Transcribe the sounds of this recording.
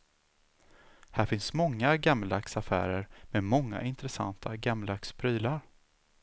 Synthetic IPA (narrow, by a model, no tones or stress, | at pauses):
hæːɾfɪnsmɔŋːaɡamlaksafæ̰ːɾəɾmɛmɔŋːa̰ʔɪnt̪ɾɛsa̰nt̪ʰa̰ɡamlakspʰɾyːlaɾ